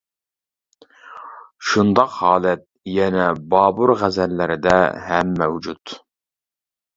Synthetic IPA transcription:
ʃund̪ɑqhɑːlˠɛt̪̚jɛnɛbɑːbuɾʁæzɛlːɪɾɪd̪ɛɦɛmːɛwd͡ʒut̪

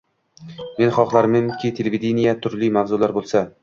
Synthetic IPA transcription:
me̞nχɒqlˠaɾmɪmkʲʰɪt̪ʰelʲevid̪ʲenijat̪ʰʊɾlimavzʊlaɾbolˠsa

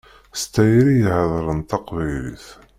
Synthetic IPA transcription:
st̪æjɾijhəðˤɾˤənt̪ɑqvæjlḭθ

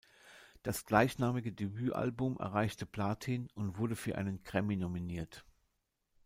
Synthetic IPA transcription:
d̥asɡ̥laɪçnaːmɪɡədebyːʔa̰lbʊmʔɛ̰ɐʁ̞aɪçtəpʰl̥aːtʰinʊntv̥ʊɐdəfyːɐʔa̰ɪnənkʁ̥ɛminominiːɐt

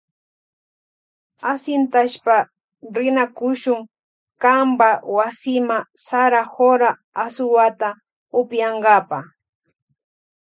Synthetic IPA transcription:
asɪnt̪aʃpa | ɾɪnakʊʃʊŋ | kambawasɪmasaɾahoɾaː | sʊwat̪a | ʊpjɑɴɢɑpa

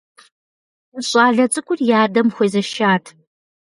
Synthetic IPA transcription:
ɕʼɑːɮɐt͡sʼɨkʷʼʊrjaːrdɐmxʷeːzɐʃaːtʰ

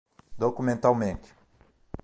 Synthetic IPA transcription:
d̪okumẽnt̪awmẽnt̪ɪ̥

